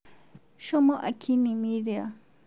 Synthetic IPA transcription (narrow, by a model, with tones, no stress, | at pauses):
ʃo˦mõ˦ʔa˨kʰi˦nĩ˨mĩ˦ɾe˨a̰˨